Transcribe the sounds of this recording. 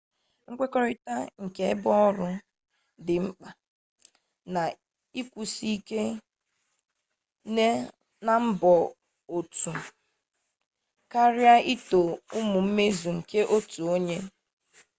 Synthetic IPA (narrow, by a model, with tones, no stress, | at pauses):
ŋ̩˦kʷe˦kɔ˦ɾɪ˦ta˦ŋ̩˨ke˦bɔ˦ɔ˦ɾʊ˦ | dɪ˨m̩˦k͡pa˨ | na˨ | i˦kʷu˨si˦ke˦ | ne˦ | na˦m̩˦bɔ˨ | o˨tu˨ | ka˦ɾja˦ʔi˦to˨ʊ˦mʊ˨m̩˦me˦zu˨ŋ̩˨ke˦ʔo˦tu˨o˦ɲe˦